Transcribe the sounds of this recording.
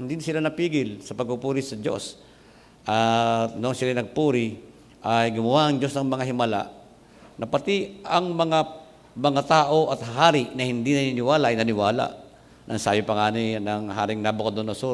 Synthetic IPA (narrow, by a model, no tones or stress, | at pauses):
hɪnd̪ɪnsɪlanɐpiːɡɪlsɐpɐɡ̚pupuːɾɪsɐd͡ʒo̞̰s | ʔat̪noʔɐŋsɪlanɐɡ̚puːɾɪ | ʔajɡʊmɐwaʔɐŋd͡ʒo̞snɐŋmɐŋaɦɪmɐla̰ʔ | nɐpɐt̪iʔɐŋmɐŋa | mɐŋat̪aːʔo̞ʔɐt̪haɦaːɾɪʔnɐhɪnd̪inɐninɪwaːlaʔɐjnɐnɪwaːla̰ʔ | nɐŋsaːjopɐŋaːnɪnɐŋɦaːɾɪŋnabokɐd̪onoso